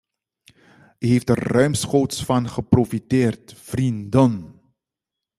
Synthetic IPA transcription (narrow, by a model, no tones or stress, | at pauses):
yɦeftdərrœɥmsχowtsfɑnχəprofiteːrtfrindən